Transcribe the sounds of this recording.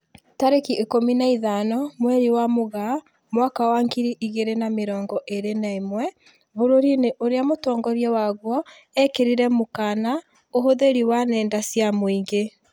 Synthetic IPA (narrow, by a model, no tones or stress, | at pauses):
taɾekiʔekominaiðanɔmwɛɾiwamoɣa | mwakawaŋɡiɾiʔiɣeɾenameɾɔːŋɡɔʔeɾenaimwɛ | βoɾoɾineʔoɾeamotɔːŋɡɔɾjɛwaɣwɔ | ɛkeɾiɾɛmokaːna | oɦoðeɾiwanɛːndasjamoiŋɡe